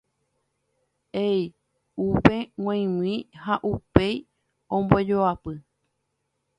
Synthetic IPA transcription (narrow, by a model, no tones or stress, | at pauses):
ej | upewãj̃w̃ĩhaʔupe̞j | õmbod͡ʒoapɨ